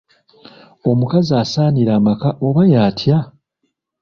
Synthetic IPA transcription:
o̞mukazaːsaːniɾaːmakaoβajaːtʰja

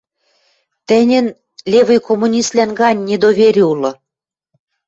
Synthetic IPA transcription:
t̪ɘ̆nʲɘ̆n | lʲevɘ̆jkomːunʲist̪lʲænɡɑnʲːed̪oβʲeɾʲiulɤ̆

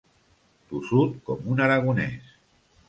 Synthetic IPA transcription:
t̪usut̪̚kɔmunaɾaɣ̞unɛ̰s

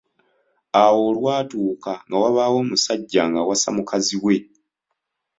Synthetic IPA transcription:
awo̞ːlwaːtuːkaŋɡawaβawo̞ːmusaɟːaŋɡawasa̰mukaziwe̞

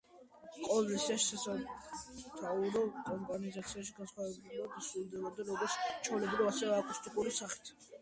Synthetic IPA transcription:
qʼɔlisɛʃsasa | t̪ʰauɾɔkʼɔmpʼanizat̪sʰiaʃiɡansχwavɛbliad̪asɾulˠd̪ɛbɔd̪aɾɔɡɔɾtst͡ʃʰɔvlɛbɾivasɛvɛakʼust̪ʼikʼuɾisaχi̥t̪ʰ

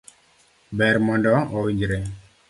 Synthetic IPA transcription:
bɛɾmɔndɔɔwiɲd͡ʒɾe

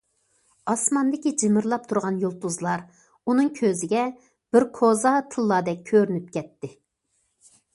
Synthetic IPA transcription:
ɑsmɑnd̪ɪkʲid͡ʒɪmɪɾlˠɑp̚t̪ʰuɾʁɑnjolˠt̪uzlˠɑɾ | unɨŋkʲʰøzɪɡʲɛ | b̥ɪɾkʰozɑt̪ʰɨlˠːɑd̪ɛkʲʰːøɾynyp̚kʲʰɛt̪ːɪ

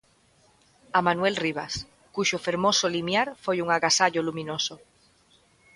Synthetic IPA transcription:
amanwelriβ̞as | kuʃofeɾmosolimjaɾfojuŋaɣasaʎolumĩnoso

